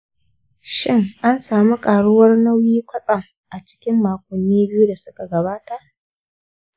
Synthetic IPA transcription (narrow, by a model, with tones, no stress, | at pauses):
ʃɪ˦ŋʔa˦nsaː˨mu˦kʼaː˨ɽʊ˦wɐ˦rnɐ˦wjiː˦kʷɐ˦sʼɐ˨ŋ | ʔa˨t͡ʃɪ̥˦kʲɪ˦mːaː˨kʷʊ˨nːiː˦bɪ˦ju˦da˨sʊ˦ka˨ɡɐ˨baː˦ta˨ʔ